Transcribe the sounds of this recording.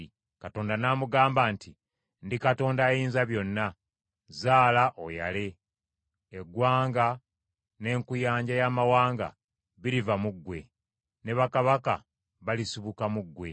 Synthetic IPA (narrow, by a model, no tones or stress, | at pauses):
kato̞ːndanaːmuɡaːmbaːnti | ndikato̞ːndajiːnzaβjo̞nːa | zaːlaʔoja̰leː | ɡwaːŋɡa | ne̞ːŋkujaːɲɟajamawaːŋɡa̰ | βiɾivamuɡwe̞ | ne̞βakaβaka̰ | βalisiβukamuɡːwe̞